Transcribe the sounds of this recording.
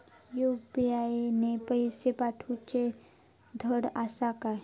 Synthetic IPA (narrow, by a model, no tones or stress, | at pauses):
jupiainepəjsepaʈʰut͡ɕe | d̪ʱəɽasaka